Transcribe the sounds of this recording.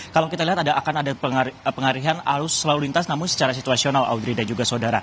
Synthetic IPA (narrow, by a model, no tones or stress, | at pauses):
kalawkit̪aliɦat̪adaʔːkanadaəpəŋaɾiɦanaɾʊsːəlalulint̪asnamʊnsə̥t͡ʃaɾasit̪uasionala̰wd̪ɾidad͡ʒuɡasodaɾa